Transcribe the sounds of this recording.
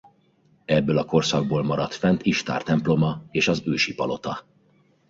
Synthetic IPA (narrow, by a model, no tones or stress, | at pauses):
ɛbːøːlɒko̞rsɒɡ̚boːlmɒɾɒt̪fɛnt̪ʰiʃt̪a̰ːrt̪ɛmplo̞mɒeːʃɒzøːʃipɒ̰lʔo̞t̪ɒ